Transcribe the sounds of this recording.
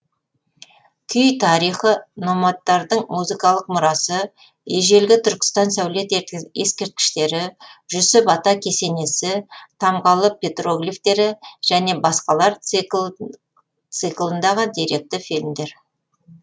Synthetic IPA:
kʲʰʏjt̪ʰɑɾijχəno̞mɑt̪ːɑɾd̪əɴmuzɨkɑlˠəqmʊɾɑsə | eʒe̞lɡʲɪt̪ʰʏɾkʲɪ̥st̪ɑnsæwle̞t̪eskʲe̞ɾt̪̚kʲɪ̥ʃt̪e̞ɾɪʒ̥ʏsɪpɑt̪ɑkʲʰe̞se̞ne̞sɪt̪ʰɑmʁɑlˠəpʰʲe̞t̪roɡlʲift̪e̞ɾɪʒ̥æne̞bɑsqɑlˠɑɾ | t̪sɨklˠənd̪ɑʁəd̪ijɾe̞k̚t̪ɪfilmd̪e̞ɾ

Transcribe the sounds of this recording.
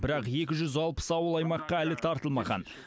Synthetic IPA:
bɪɾɑqje̞kʲɪʒʏzɑlˠpə̥sɑwəlˠɑjmɑqːɑælɪt̪ʰɑɾt̪əlˠmɑʁɑ̰n

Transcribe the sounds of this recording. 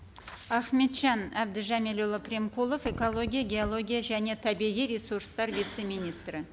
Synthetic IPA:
ɑχme̞t̪ʒ̥ɑnæbd̪ɪʒɑmelolˠəprʲemkulˠo̞feko̞lˠo̞ɡʲijaɡʲeolˠo̞ɡʲijaʒæne̞t̪ʰæbiʁijɾʲesuɾst̪ɑɾvit̪se̞mijnijst̪rɪ

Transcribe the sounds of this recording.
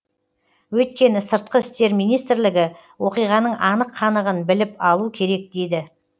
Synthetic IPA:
wɵjt̪̚kʲe̞nɪsəɾt̪̚qəɪst̪e̞ɾmijnijst̪ɪɾlɪɡʲɪ | wo̞qijʁɑnəɴʔɑnəqʰːɑnəʁənbɪlɪpɑlˠukʲʰe̞ɾe̞k̚d̪e̞jd̪ɪ

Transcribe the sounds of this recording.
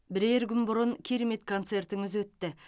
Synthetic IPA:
bɪɾeɾɡʲʏnbʊɾəŋkʲʰeɾe̞me̞t̪kʰont̪se̞rt̪ɪŋɪzwɵt̪ːɪ

